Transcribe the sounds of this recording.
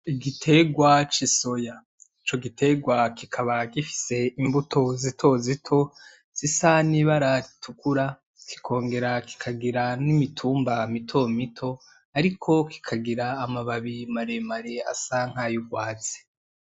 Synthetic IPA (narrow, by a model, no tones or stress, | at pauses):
iɡitʰe̞ɡwat͡ʃiso̞ja | it͡ʃo̞ɡitʰe̞ɡwakikʰaβakifi̥se̞imbutʰo̞zitʰo̞zitʰo̞ | z̥isaniβaɾaɾitʰukuɾa | ki̥kʰo̞ːŋɡe̞ɾaki̥kʰaɡiɾanimitʰuːmbamitʰo̞mitʰo̞ | aɾikʰo̞ki̥kʰaɡiɾaːmaβaβimaɾe̞maɾe̞a̰saŋ̥haːjuɡwaːt͡se̥